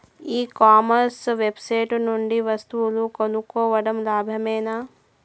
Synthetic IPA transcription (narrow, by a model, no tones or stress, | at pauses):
iːkaːmɐɾsʋebseːʈnuɳɖiʋɐst̪ulukɐnukoːʋɐɖɐmlaːbʱjɐmeːnaː